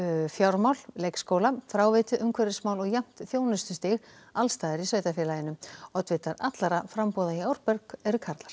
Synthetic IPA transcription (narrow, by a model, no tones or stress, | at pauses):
fjawɾmawllejkskoːwlafɾaːwvɪt̪ʏʔʏmkʰvɛɾɪsmaːwlɔɣjam̥t̪θjoːwnʏst̪ʏst̪ɪɣ | alst̪aːðɪɾisœːɥt̪afjɛːlajɪnʏɔt̪vɪt̪aɾat̪laɾafɾampɔːðaiawɾpœɾkɛɾʏkʰaɾt̪lḁɾ̥